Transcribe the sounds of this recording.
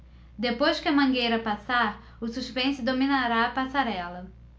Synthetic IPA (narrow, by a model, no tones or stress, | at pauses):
d̪epojʃkɪɐmɐ̃ŋɡejɾɐpasaɾ | ʊsuʃpẽsʊd̪ominaɾaːpasaɾɛlɐ